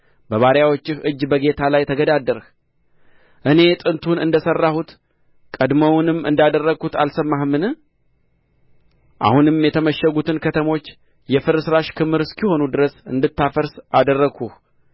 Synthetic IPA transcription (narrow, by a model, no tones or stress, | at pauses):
bəβaɾjawot͡ʃːɪhɨd͡ʒːbəɡe̞t̪ʰalajt̪ʰəɡəd̪ad̪ːəɾh | ʔɨne̞t̪ʼɨnt̪ʰunɨ̰nd̪əsərːahut̪ | kʼəd̪məwnɨmːɨ̰nd̪ad̪ərːəɡut̪a̰lsəmːahmɨn | ʔa̰hunɨmjɛt̪ʰəməʃːəɡut̪ʰɨnkʰət̪ʰəmo̞t͡ʃː | jɛfɨɾɨsɨɾaʃkʰɨmɨɾɨskʰiho̞nud̪ɨɾəsɨ̰nd̪ɨt̪ːafəɾsʔad̪ərːəɡʰuh